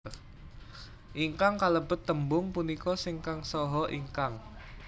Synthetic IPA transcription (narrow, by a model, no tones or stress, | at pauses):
ʔiŋkaŋkaləb̥ʊt̪ːəmbʊŋpunikɔsɪŋkaŋsɔɦɔʔiŋkaŋ